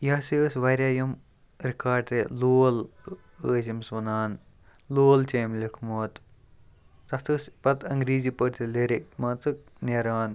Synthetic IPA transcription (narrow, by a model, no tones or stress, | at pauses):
jaːsiəsʲʋaːɾʲjaːjɐm | ɾikaːɖ̚t̪eloːl | əːzimsʋɐnaːn | loːlt͡ʃeːmlʲikʰmoːt̪ː | ɐt̪ʰɨsʲpɐt̪ɐŋɡɾiːzipəʈt̪ʰileɾik̚mɐt͡sɨk̚neɾaːn